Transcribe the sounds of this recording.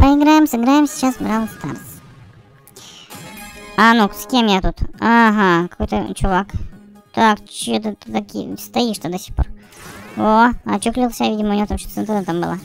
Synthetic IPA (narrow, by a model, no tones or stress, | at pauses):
pəɪɡɾajɪmsɨɡɾajɪmsʲɪ̥t͡ɕːasbɾavlst̪a̰rt̪s | anuksʲkʲemjat̪ut̪aɦakɐ̥ko̞jt̪ə̰t͡ɕʊvak | t̪akt͡ɕɪjot̪ət̪t̪akʲst̪ɐiʂt̪əd̪ɐsʲixpo̰r | oɐt͡ɕuklʲilˠsʲavʲidʲɪməʊnʲɪvoamɕo̥sɨnt̪ɾnt̪ambɨ̰lˠa